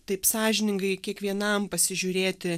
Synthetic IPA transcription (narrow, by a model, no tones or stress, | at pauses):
t̪ɐɪpsɑːʒʲɪnʲɪŋɡɐɪkʲiɛkʋʲiɛnɐmpɐsʲɪʒʲʊɾʲeːt̪ʲɪ